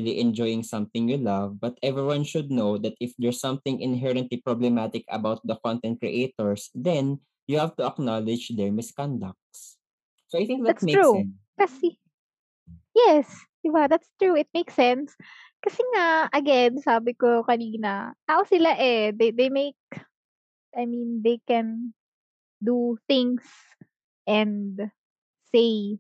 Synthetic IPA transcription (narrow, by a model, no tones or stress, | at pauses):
iliʔɛ̃nd͡ʒɔjɪ̃ŋsɐ̃mθɪ̃ŋjulɐvbɐt̪ɛvɹiwãnʃʊd̪̚nowd̪ɐt̪ɪfd̪ɛɹsʌ̃mθɪ̃ŋʔɪ̰̃nɦɛɹɐ̃nt̪lipɹoblɛmat̪ɪkɐ̰bawt̪̚d̪ɐkɔ̃nt̪ɛ̃nt̪̚kɹḭʔejt̪ɔɹsd̪ɛ̃n | juhavt̪ʊɐk̚nalɪd͡ʒd̪ɛɹmɪskãnd̪ɐk̚t̪s | soajθɪ̃ŋk̚d̪atmeu | kɐsɛ | jɛs | d̪̥ɪbad̪at̪st̪ɹuɪt̪̚mejksɛns | kɐsɛŋaɐɡɛnsaːbɪkokɐniːnɐt̪aːʔosɪlaʔɛd̪ed̪ejmejk̚ | ʔajmĩnd̪ejkɛn | d̪uθɪ̃ŋs | ʔɛ̃nd̪ | sej